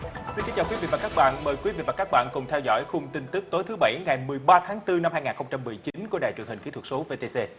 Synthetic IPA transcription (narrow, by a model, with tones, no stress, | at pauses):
si˧nkːŋt͡ɕaː˨˩wi˨˦vḭ˧˨vaː˨˩kaː˦˥k̚ɓa̰ː˧˨nməː˨˩jkwi˨˦vḭ˧˨vaː˨˩kaː˦˥k̚ɓa̰ː˧˨nkʊ˨˩ŋ͡mt̪ʰɛ˧wzɔ̰˧˥˨jxʊ˧ŋ͡mt̪ï˧ŋ̟t̪ɨ˦˥k̚t̪o˨˦jt̪ʰɨ˨˦ɓa˧˩jŋa˨˩jmɨ˨˩əjɓaː˧t̪ʰaː˨˦ŋt̪ɨ˧na˧mhaː˧jŋaː˨˩nxə˧wŋ͡mt͡ɕa˧mːɨ˨˩əjt͡ɕi˨˦nku˧˩əɗa̰ː˧˨˩t͡ɕɨ˨˩əŋhï˨˩ŋ̟ki˧˥˦t̪ʰə˩so˨˦ve˧t̪e˧se˧